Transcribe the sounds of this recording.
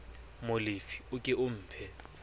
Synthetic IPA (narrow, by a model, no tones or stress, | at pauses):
mʊlɪfi̥ʊkʼɪʔʊm̩ːpʰɛ